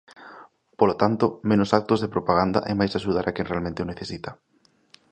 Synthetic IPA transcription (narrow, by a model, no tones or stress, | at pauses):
polot̪ant̪omẽnosak̚t̪ozðepɾopaɣ̞and̪a̰ʔɛmajsaʃuð̞aɾʔakɛ̃ŋnrealmẽnt̪ɪoneθesit̪ḁ